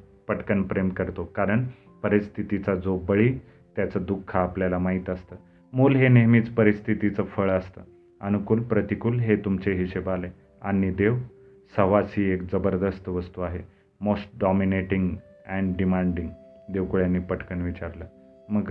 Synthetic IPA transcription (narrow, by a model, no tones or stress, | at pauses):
pəʈkənpɾemkəɾt̪okaɾəɳ | pəɾist̪ʰit̪it͡sad͡zobəɭiː | t̪jat͡səd̪ukʰːaːpljalamaɦit̪əst̪əː | muːlɦeneɦmiːt͡spəɾist̪ʰit̪it͡səfəɭəst̪ə | ənukuːlpɾət̪ikuːlɦet̪umt͡seɦiɕebale | anid̪eʋ | səʋasiːekd͡zəbəɾd̪əst̪ʋəst̪uaɦe | mosʈ̚ɖɔmineʈiŋɡ | ɛ̃ɳɖimaɳɖiŋɡ | d̪eʋkuɭjanːiːpəʈkəɳʋit͡ɕaɾlə | məɡ